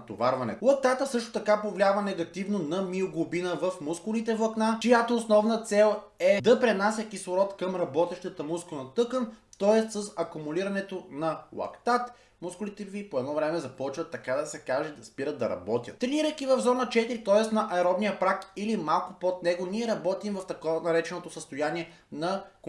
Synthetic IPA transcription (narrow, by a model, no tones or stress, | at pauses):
t̪ovaɾvɐnɛ̰t̪lˠɐk̚t̪at̪əsɤʃt̪o̥t̪ɐkapovlʲavɐnɛɡɐt̪ivnonɐmioɡlʊbinəvɐfmuskʊlit̪ɛvlˠɐknat͡ʃijat̪oːsnɔvnət̪sɛlˠ | ɛd̪ɐpɾɛnasʲjəkisˠʊɾɔt̪kɐmɾɐbɔt̪ɛʃt̪ət̪əmuskʊnɐt̪ɤkənt̪ɔɛst̪səsɐkumuliɾɐnɛt̪onɐlˠɐ̰kt̪at̪ | mʊskʊlit̪ɛvipoɛd̪nɔvɾɛmɛzɐpɔt͡ʃvɐt̪ːɐkad̪ɐsɛkaʒɛd̪ɐspiɾət̪̚d̪ɐ̰ɾɐ̰bɔt̪ʲjə̰t̪t̪ɾɛniɾəjkivɐvzɔnət͡ʃɛt̪iɾit̪ɔɛst̪nɐʔɐɛɾɔbnijəpɾakilimalˠkʊpot̪nɛɡoniɛɾɐbɔt̪imvɐft̪ɐkɔvnɐɾɛt͡ʃɛnot̪osəst̪ʊjaniɛ | nɐk